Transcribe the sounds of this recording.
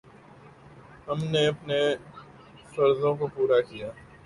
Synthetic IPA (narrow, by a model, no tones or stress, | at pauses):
ɦɐmneɐpne | fɐɾzõkopuːɾakijaː